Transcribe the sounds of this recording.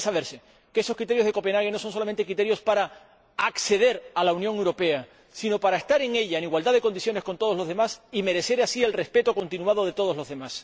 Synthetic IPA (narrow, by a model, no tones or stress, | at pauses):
saβe̞ɾse | keesokɾit̪ejoð̞e̞ko̞penaɣe̞noso̞ns̬olament̪ekɾit̪ejo̞spaɾa | akse̞ð̞e̞ɾalaunjoŋewɾo̞pe̞a | sino̞paɾaest̪aɾe̞ŋe̞ʎaeniɣwald̪aðe̞ko̞nd̪iθjo̞nesko̞nt̪oozlo̞zð̞e̞masime̞ɾe̞se̞ɾasie̞lre̞spe̞t̪oko̞nt̪inuað̞o̞ð̞e̞t̪o̞ðo̞zlo̞zðe̞mas